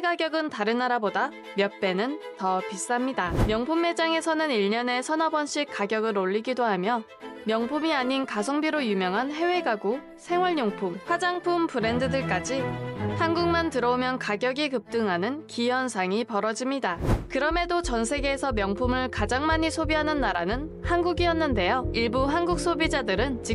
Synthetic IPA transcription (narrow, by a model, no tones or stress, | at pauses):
eɡaɡjʌɡɯntaɾɯnːaɾaboda | mjʌp͈e̞nɯntʌpis͈amɲidamjʌŋpʰumːe̞d͡ʑaŋe̞sʰʌnɯniɭɲʌne̞sʰʌnʌbʌnɕ͈ʰik͈aɡjʌɡɯɾoʎːiɡidoɦamjʌ | mjʌŋpʰumiaɲinkasʰʌŋbiɾojumjʌŋɦanɦe̞we̞ɡaɡu | sʰe̞ŋwʌɭɲoŋpʰumɸwad͡ʑaŋpʰumpɯɾe̞ndɯdɯɭk͈ad͡ʑihanɡuŋmantɯɾʌomjʌnkaɡjʌɡikɯp̚t͈ɯŋɦanɯnkijʌnsʰaŋipʌɾʌd͡ʑimɲidakɯɾʌme̞dot͡ɕʌnsʰe̞ɡeːsʰʌmjʌŋpʰumɯɭkad͡ʑaŋmaɲisʰobiɦanɯnːaɾanɯnhanɡuɡiʌnːɯnde̞joiɭbuɦanɡuk̚s͈ʰobid͡ʑadɯɾɯnt͡ɕi